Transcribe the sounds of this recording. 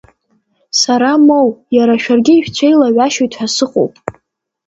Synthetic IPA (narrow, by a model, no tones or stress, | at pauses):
saɾamowjaɾaʃᶣarɡʲɪːʃᶣt͡ɕʷʰejlaɥʷaʃojtʰħasɨqʼo̰wpʼ